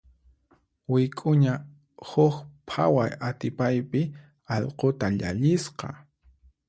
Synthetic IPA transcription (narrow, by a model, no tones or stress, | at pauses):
wɪkʼʊɲa | hʊxpʰa̰wajat̪ɪpajpɪ | ɑʎqot̪aʎaʎɪsqɑ̰